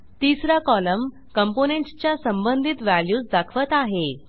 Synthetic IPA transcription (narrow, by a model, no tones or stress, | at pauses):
t̪isɾakɔləm | kəmponẽɳʈt͡ɕjasəmbənd̪ʱit̪ʋæljuːsd̪akʰʋət̪aɦe